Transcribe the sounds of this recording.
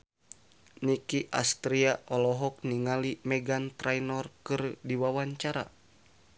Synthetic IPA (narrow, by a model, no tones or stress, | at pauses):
nikiʔa̰st̪ɾiaʔɔlɔɦɔk̚niŋalimɛɡant̪ɾajnɔrkɨrdiwawaɲt͡ʃaɾa̰